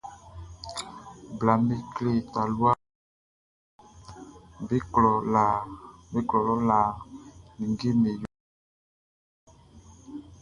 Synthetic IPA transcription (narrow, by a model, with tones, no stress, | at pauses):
bla˨mbi˦kle˦˨ta˨lwa˦ | be˦klɔ˨la˨be˦klɔ˨lɔ˦la˨ni˨ŋɡi˦me˨j